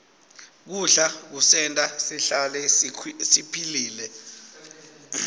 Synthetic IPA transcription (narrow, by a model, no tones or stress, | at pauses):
k̬uɬak̬usɛntʼasiɬalɛsipʰiliːlɛ